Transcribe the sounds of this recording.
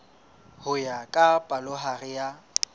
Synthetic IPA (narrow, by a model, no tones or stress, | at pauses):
hʊjakʼapʼalʊɦarɪja